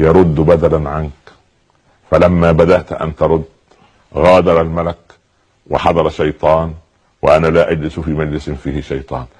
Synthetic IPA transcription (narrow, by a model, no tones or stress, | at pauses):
jɑɾˤʊd̪ːbad̪alanʕank | falamːaːbad̪aʔt̪ʔa̰nt̪ɑɾˤʊd̪ː | ɣaːd̪ɑɾˤalmalak | wɪ̰ħɑd̪ˤɑɾˤɑʃɑjt̪ˤɑːn | wɪ̰ʔanalaːʔad͡ʒlɪsfiːmad͡ʒlɪsɪnfiːhɪʃɑjt̪ˤɑ̰ːn